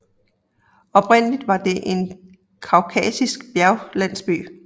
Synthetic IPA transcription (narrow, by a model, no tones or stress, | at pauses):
ɒ̽pʰʁen̰əlid̥ʋɑ̈d̥e̝ʔe̝n | kʰɑ̈ʊkʰɛ̰sisɡ̥b̥jæɐʊlæn̰sb̥y̰ː